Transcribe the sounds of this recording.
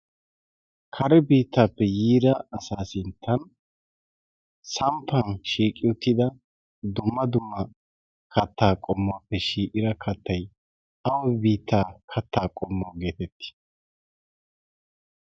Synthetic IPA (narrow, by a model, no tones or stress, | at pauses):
kʰɐɾɛbiːt̪ːaːpːɛjiːɾɐɐsaːsɪnt̪ʰːɐn | sɐmpʰːɐnʃiːkʼɪʊt̪ːɪd̪ɐ | d̪ʊmːɐd̪ʊmːɐ | kʰɐt̪ːaːkʼɔmːoːpːɛʃiːʔʼɪɾɐkʰɐt̪ːɐj | ɐwɔbiːt̪ːaːkʰɐt̪ːaːkʼɔmːoːɡe̞ːt̪ɛt̪ːɪ̥